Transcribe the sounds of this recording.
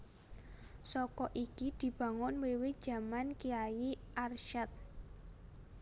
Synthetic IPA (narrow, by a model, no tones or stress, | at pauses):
sɔkɔʔikid̪̥i̤b̥ä̤ŋʊnwewed̥ʒ̥ä̤mankiajiʔarʃɛt̪̚